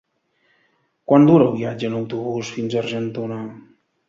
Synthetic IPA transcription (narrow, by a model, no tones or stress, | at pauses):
kwand̪uɾəlˠβiad͡ʒəːnəwt̪uβusfinzərʒənt̪una